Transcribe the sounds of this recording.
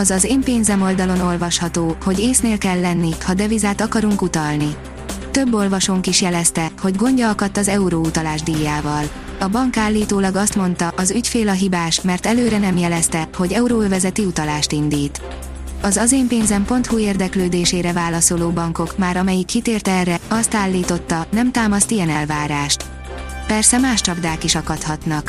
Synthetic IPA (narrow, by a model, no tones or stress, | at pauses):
ɒzɒzeːmpeːnzɛmo̞ld̪ɒlo̞no̞lvɒʃhɒt̪oːho̞ɟeːsneːlkɛlːɛnːihɒd̪ɛvizaːt̪ɒkɒɾuŋkut̪ɒlni | t̪ø̞bːo̞lvɒʃoːŋkiʃjɛlɛst̪ɛho̞ɟɡo̞ɲɟɒkɒt̪ːɒzɛuɾout̪ɒlaːʒd̪ijːaːvɒl | ɒbɒŋkaːlːiːt̪oːlɒɡɒst̪mo̞nt̪ɒʔɒzycfeːlɒɦibaːʃmɛrt̪ɛløːɾɛnɛmjɛlɛst̪ɛho̞ɟɛuɾoøvɛzɛt̪iut̪ɒlaːʃt̪ind̪iːt̪ | ɒzɒzeːmpeːnzɛmpo̞nt̪hueːrd̪ɛkløːd̪eːʃeːɾɛvaːlɒso̞loːbɒŋko̞kmaːɾɒmɛjikːit̪eːrt̪ɛɛrːɛɒst̪aːlːiːt̪o̞t̪ːɒnɛmt̪aːmɒst̪ijɛnɛlvaːɾaːʃt̪ | pɛrsɛmaːʃt͡ʃɒbd̪aːkiʃɒkɒt̪hɒt̪nɒk